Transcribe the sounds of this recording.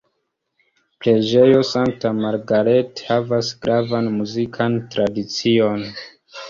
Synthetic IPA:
pɾe̞d͡ʒe̞jo̞saŋk̚tamaɾɡaɾe̞thavasɡɾavanmuzikʰantɾadit͡sio̞n

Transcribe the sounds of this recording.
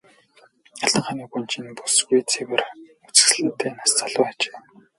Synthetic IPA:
aɮ̥ə̆ɴχaniːɡunt͡ɕʰinpusɡujt͡sʰeɣer | ut͡sɘ̥̆sɮɘ̆nt̪ʰːeːnast͡saɮʊːat͡ɕe̥ː

